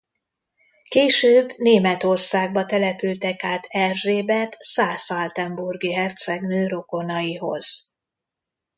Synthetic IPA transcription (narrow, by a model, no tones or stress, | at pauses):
keːʃøːbneːmɛt̪o̞rsaːɡ̚bɒt̪ɛlɛpylt̪ɛkaːt̪ʰɛrʒeːbɛt̪saːsɒlt̪ɛmburɡiɦɛrt̪sɛɡnøːɾo̞ko̞nɒjiɦo̞̰z̥